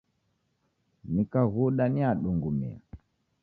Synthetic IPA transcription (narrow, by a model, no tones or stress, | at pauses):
nikaɣuɗaniaɗuŋɡumḭa̰